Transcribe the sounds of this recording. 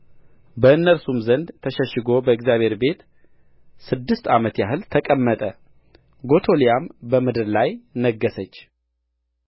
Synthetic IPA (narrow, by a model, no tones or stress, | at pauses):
bəɨnːəlsumzənd̪t̪ʰəʃɛʃɪɡo̞bəɪkzjaβhe̞ɾbe̞t̪ | sɨd̪ːɨst̪amət̪jaɦɨlt̪ʰəkʼəmːət̪ʼə | ɡo̞t̪ʰo̞lijambəmɨd̪ɨɾlajnəɡːəsət͡ʃː